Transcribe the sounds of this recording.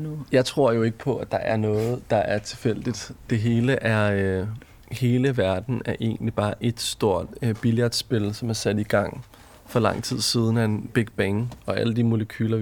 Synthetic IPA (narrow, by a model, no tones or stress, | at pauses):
jɑ̈ɪt͡sʰʁo̝ɐ̰jo̝e̝ɡ̥ə̥pʰɒ̽æd̥ɑ̈ʔæɐnɔ̽ːð̩ˠd̥ɑ̈ʔæɐt͡sʰe̝lfel̰d̥id̥d̥e̝ɦe̝ːləʔæɐ | he̝ːləʋæɐd̥n̩æɐʔe̝̰ːɡnlib̥ɑ̈ːʔe̝d̥sd̥o̝ɐ̰d̥b̥iled̥sb̥e̝lsɒ̽mæɐsæd̥iɡ̥ɑ̈ŋ̰ | fɒ̽lɑ̈ŋ̰t͡sʰið̞̰ˠsiːð̞ˠn̩æe̝nb̥e̝ɡ̥̚b̥eŋɒ̽æləd̥imo̝ləkʰyːlɐ